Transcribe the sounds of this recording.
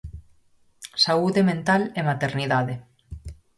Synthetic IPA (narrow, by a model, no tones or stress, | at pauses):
sauðemẽnt̪alemat̪eɾniðaðe